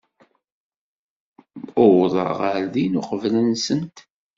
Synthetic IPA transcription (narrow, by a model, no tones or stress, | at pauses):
ʊwðˤə̰ʁəɾðinʊqəvlənsənt̪